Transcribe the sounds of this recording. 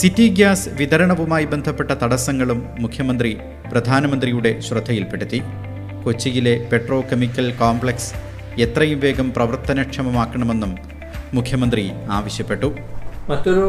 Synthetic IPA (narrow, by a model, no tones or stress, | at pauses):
sitːiɡjaːsʋid̪ɐɾɐɳɐʋumaːjibend̪ʱɐpːe̞ʈːɐt̪ɐɽɐsɐŋːɐɭumːukʰjɐmɐnd̪ri | prɐd̪ʱaːnɐmɐnd̪rijuɽe̞ɕrɐd̪ʱːɐjilpe̞ɽut̪ːi | ko̞t͡ɕːijile̞pe̞ʈro̞ːkemikːɐlkoːmbɭeks | e̞t̪rɐjumʋe̞ːɡɐmprɐʋɐrt̪ːɐnɐkʂɐmɐmaːkːɐɳɐme̞nːumː | ukʰjɐmɐnd̪riaːʋɐɕjɐpːe̞ʈːu | mɐt̪ːoɾu